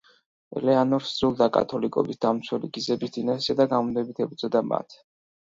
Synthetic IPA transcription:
ɛ̰lɛanɔɾsɾulˠd̪akʼa̰t̪ʰɔlikʼɔ̰bisd̪̥amt̪sʰwɛliɡizɛbisd̪inasiad̪aɡamund̪ɛbit̪ʰɛb̚d̪zɛd̪ama̰t̪ʰ

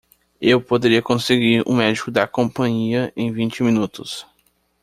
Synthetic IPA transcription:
ewpod̪eɾiɐkõseɡiɾṵ̃mɛd͡ʒikʊd̪ɐkõpɐ̃ɲiɐẽj̃vĩnt͡ʃɪmĩnut̪ʊs

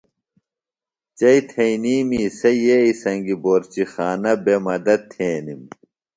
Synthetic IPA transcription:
t͡ɕɐit̪ʰɐiniːmisɐjeisɐŋɡiboːɾt͡ɕixaːnɐbemɐd̪ɐt̪ʰːeːnim

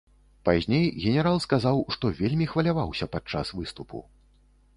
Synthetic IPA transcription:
pazʲnʲejɣʲɛnʲɛɾalˠskazawʂt̪ɔvʲelʲmʲixvɐlʲavawsʲɐpat͡ʂːa̰svɨst̪upṵ

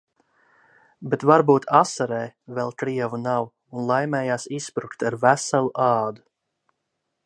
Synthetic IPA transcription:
bet̪vaɾbuːt̪ʰasaɾɛːvɛlˠkɾiɛvunaw | unlˠajmɛːjaːsispɾukt̪aɾvæsalˠuʔɑːd̪u

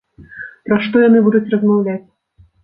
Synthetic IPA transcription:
pɾaʂt̪ɔjanɨbud̪ut͡sʲrɐzmawlʲat͡sʲ

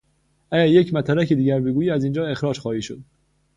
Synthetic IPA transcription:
ʔæɟæɾjecʰmæt̪ʰæɾæcʰid̪iːɟæɾbeɡuːjiːæzind͡ʒɒːe̞xɾɒːd͡ʒxɒːhiːʃod̪̥

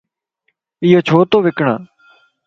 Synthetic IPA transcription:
ɪjoːt͡ʃʰoːt̪oːʋɪkɳã̰ː

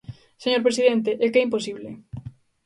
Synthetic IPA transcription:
seɲoɾpɾesiðɛnt̪̬ɪʔɛkɛimposiβlɪ̰

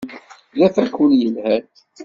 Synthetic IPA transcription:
læθækəljəlhæn

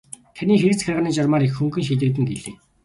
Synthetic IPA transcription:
t̪ʰaniːxeɾɘ̆t͡sxʲarʁaːniːt͡ɕɔrmaːɾixxuŋɡɘ̆nʃiːt̪̬ɘ̆k̚t̪ɘ̆ŋɡeɮeː

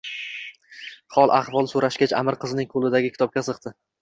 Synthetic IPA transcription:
χɒlˠʔaχvɒlˠsoɾaʃkʲat͡ʃʰa̰mɪɾqʰɨzɪnɪŋkʰolˠɪd̪aɡʲɪkʰʲɪ̥t̪ʰɒp̚kʲasɨqt̪ʰɪ

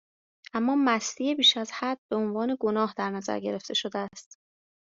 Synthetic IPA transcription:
ʔæmːɒːmæst̪iːebiːʃæzhæd̪̥̚be̞onvɒːne̞ɡo̞nɒːɦd̪æɾnæzæ̰ɾɟe̞ɾe̞ft̪ʰe̞ʃo̞d̪eæst̪

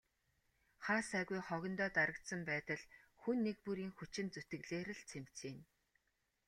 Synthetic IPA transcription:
χaːsæːɣujχɔɣʲɪ̆nt̪ɔːt̪aɾə̆k̚t̪sə̆mpæːt̪ə̆ɮxunːek̚puɾiːŋxut͡ɕɪ̆nt͡sut̪ɘ̆ɣɮeːɾɘ̆ɮt͡sʰem̥t͡siːn

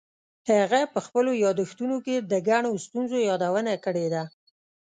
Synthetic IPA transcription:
haɣapəxpəlojɑd̪əxt̪unoked̪əɡaɳost̪unzojɑd̪awənakəɽed̪a

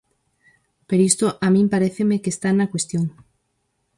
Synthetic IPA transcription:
peɾist̪oʔamĩmpaɾeθemekest̪anakwest̪joŋ

